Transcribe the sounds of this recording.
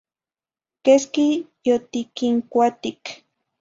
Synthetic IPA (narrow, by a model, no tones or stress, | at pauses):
keskijot̪ikiŋkʷat̪ik